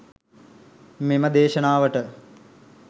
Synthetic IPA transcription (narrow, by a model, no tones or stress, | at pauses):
meməd̪eːʃɐnaːʋəʈə